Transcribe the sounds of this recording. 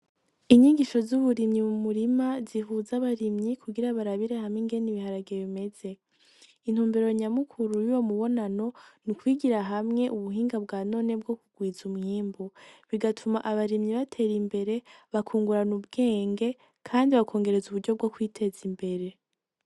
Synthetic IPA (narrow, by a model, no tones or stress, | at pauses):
iɲiɡiʃo̞zuβuɾimɲimumuɾimaziɦuzaβaɾimɲikʰuɡiɾaβaɾaβiɾehamŋiŋɡe̞niβihaɾaɡeβime̞ze̞ | in̥huːmbeɾo̞iɲamukʰuɾujujo̞muβo̞nano̞nikwiːɡiɾaɦamŋe̞ʔuβuɦiːŋɡab̚ɡaːno̞ːne̞b̚ɡo̞kuɡ̥wiːzumŋiːmbuβiɡatʰumaʔaβaɾimɲiβatʰe̞ɾimbe̞ɾe̞βakʰuːŋɡuɾanubɡe̞ːŋɡe̞ | kʰaːndiβakʰo̞ːŋɡe̞ɾe̞zuβuɾɟo̞bɡo̞kwiːtʰe̞zimbe̞ɾe̞